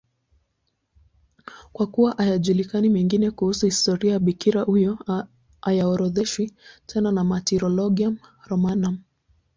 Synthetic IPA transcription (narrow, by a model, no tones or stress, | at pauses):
kwakuwaʔajaʄulikanimɛŋɡinɛkuhusuhistɔɾiajaɓikiɾahujɔ | ajaɔɾɔðɛʃwitʰɛnanamatiɾɔlɔɡiamɾɔmanam